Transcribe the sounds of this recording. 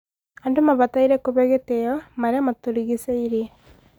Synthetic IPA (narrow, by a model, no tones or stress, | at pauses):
andumaβat̪aiɾekoβeɣet̪ejomaɾamat̪oɾiɣiseiɾi